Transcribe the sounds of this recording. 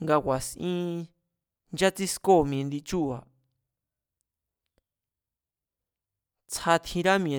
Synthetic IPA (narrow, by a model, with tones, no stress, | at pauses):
ŋɡa˧wʷa˨sʔĩ˦ | nd͡ʒa˦t͡si˦sko˦˨mĩ˨ẽ˧nd̪i˧t͡ʃu˦˨a˨ | t͡sʰa˧t̪ʰĩ˧ɾa˦mĩ˧ẽ˨˧